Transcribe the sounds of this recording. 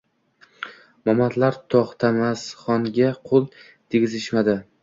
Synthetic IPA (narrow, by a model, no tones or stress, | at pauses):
mɒmat̪ʰlaɾt̪ʰɒχt̪ʰamasχɒŋɡʲaqʰolˠ | t̪ʰeɡʲɪzɪʃmad̪ɪ